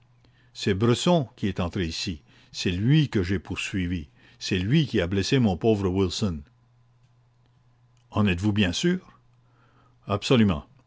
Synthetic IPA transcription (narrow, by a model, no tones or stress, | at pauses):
sɛbʁəsɔ̃kʲiɛt̪ɑ̃t̪ʁeisi | sɛlɥikəʒepʰuʁsɥivi | sɛlɥikʲiablɛsemɔ̃poːvʁəwilsɔn | ɑ̃nɛt̪vubjɛ̃syːʁ | absɔlymɑ̰̃